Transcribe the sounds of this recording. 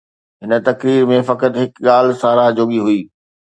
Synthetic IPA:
ɦɪnə̆t̪ɐkɾiːɾmẽfɐkət̪ɦɪkɠaːlsaːɾaːɦd͡ʑoːɠiɦʊiː

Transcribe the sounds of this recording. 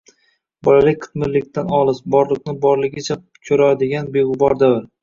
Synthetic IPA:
bɒlalɪk̚ʲqʰɨ̥t̪mɪɾlɪk̚ʲt̪ʰanɒlˠɪsbɒɾlˠɨq̚nɪbɒɾlɪɡʲɪt͡ʃʰa | kʲʰɵɾad̪ɪɡʲanbeʁʊbɒɾd̪avɪɾ

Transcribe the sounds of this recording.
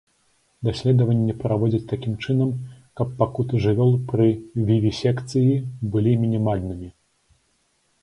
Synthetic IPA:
d̪asʲlʲɛd̪ɐvɐnʲːɛpɾavɔd͡zʲɐt͡sʲt̪akʲimt͡ʂɨnɐm | kɐpːakut̪ɨʐɨvʲɔlˠpɾɨvʲivʲisʲɛkt̪sɨjibɨlʲimʲinʲimalʲnɨmʲi

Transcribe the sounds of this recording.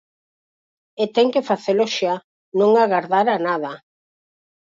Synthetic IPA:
et̪ɛŋkefaθeloʃa | nõŋaɣaɾðaɾanaða

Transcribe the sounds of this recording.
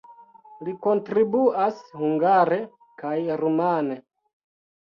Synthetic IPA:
liko̞ntɾibuashuŋɡaɾe | kajɾumane

